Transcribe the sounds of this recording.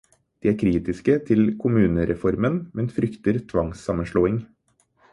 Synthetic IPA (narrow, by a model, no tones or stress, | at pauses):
d̪̥iːæːɾkʰɾiːt̪ɪskət̪ʰɪlkʰʊmʉːnəɾʔɛfɔɾmənmɛnfɾʏkt̪əɾt̪ʰʋɑŋsɑmənʂɭoːɪŋ